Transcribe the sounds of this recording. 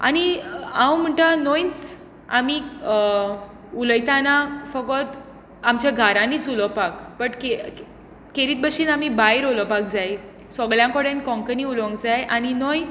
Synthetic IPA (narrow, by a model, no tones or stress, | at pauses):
a̰ñiãwm̤əɳʈanojt͡s | a̰miː | uləjt̪anafəɡɔt̪ | amt͡ɕjaɡʱaɾãniːt͡sulɔpakpəʈke | keɾiːt̪̚bəɕinamibajɾɦolɔpak̚d͡zaj | sɔɡɭjãŋkoɽenkɔ̃ŋkəniulɔ̃ŋɡd͡zajʔaninɔj